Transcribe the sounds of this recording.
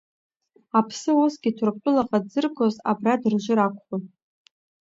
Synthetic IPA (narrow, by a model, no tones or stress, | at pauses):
apʰsɨusɡʲɪtʰʊrpʷʰʼʊlaqʼadzɨrɡʷo̞za̰bradɨrʒʷʊɾakʷʼχʷ